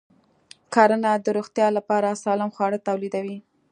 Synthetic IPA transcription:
kʰɑɾənad̪əɾoxt̪jɑlapɑɾasɑlɪmxwɑɽət̪awlid̪awi

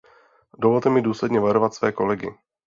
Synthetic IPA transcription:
dovolt̪ɛmɪduːslɛdɲɛvaɾo̞vat̪svɛːko̞lɛɡɪ

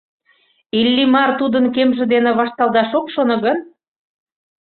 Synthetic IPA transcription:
ilʲːimɑrt̪ud̪ənkemʒĕd̪enĕβɑʃt̪ɑld̪ɑʃokʃonɤ̆ɣən

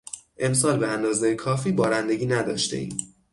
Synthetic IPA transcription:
ʔe̞msɒːlbeænd̪ɒːzejekʰɒːfiːbɒːɾænd̪e̞ɟʲiːnæd̪ɒːʃt̪e̞̰ḭːm

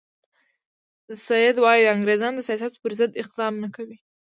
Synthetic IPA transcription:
sajɪd̪wɑjid̪əaŋɡɾezɑnd̪əsijɑsat̪pəɾzəd̪ɪq̚d̪ɑmnəkawi

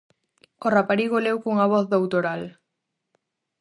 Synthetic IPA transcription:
orapaɾiɣolewkuŋaβ̞ɔθðowt̪oɾal

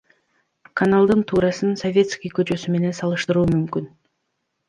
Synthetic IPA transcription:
kʰɐnalˠd̪ɯnt̪ʰuːɾɑsɯnsovʲe̞t̪skʲijkøt͡ʃø̞syme̞ne̞nsɑlˠɯʃt̪ɯɾuːmymkyn

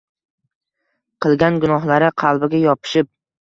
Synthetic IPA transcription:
qʰɨlˠɡʲanɡʊnɒɦlaɾɪqʰɑlˠbɪɡʲajɒpʰɪ̥ʃɪp̚

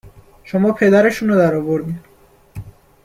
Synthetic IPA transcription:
ʃomɒːpʰed̪æɾeʃunɔd̪æɾɒːvoɾd̪iː

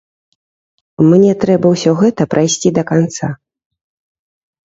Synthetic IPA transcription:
mnʲɛt̪ɾɛbɐwsʲɔɣɛt̪ɐpɾʔajsʲt͡sʲid̪ɐkant̪sa

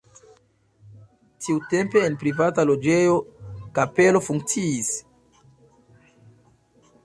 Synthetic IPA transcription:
tʰiute̞mpe̞ːnpɾivatalo̞d͡ʒe̞jo̞kape̞lo̞fuŋk̚t͡siːs

